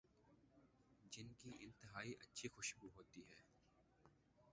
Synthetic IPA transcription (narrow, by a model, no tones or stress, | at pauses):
d͡ʒɪnkiʔɪ̃nt̪ɪɦaːiʔɐtːʃʰixʊʃbuɦoːt̪iɦɛː